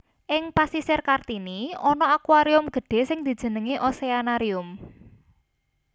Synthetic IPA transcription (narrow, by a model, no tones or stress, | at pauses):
ʔɪŋpasisɪrkart̪iniɔnɔakwaɾiʊmɡ̥ə̤ɖ̥e̤sɪŋd̪̥i̤d̥ʒ̥ə̤nəŋiʔɔseanaɾiʊm